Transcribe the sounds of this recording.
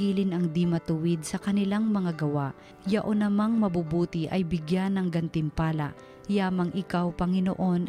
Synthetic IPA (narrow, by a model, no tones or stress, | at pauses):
iːlɪnɐŋd̪imɐt̪ʊwɪd̪̚sɐkɐnɪlaŋmɐŋaɡɐwaʔ | jɐʔonɐmaŋmɐbubuːt̪ɪʔɐjbɪɡjanːɐŋɡɐnt̪ɪmpaːlɐʔ | jaːmɐŋʔɪkawpɐŋɪno̰ʔo̞n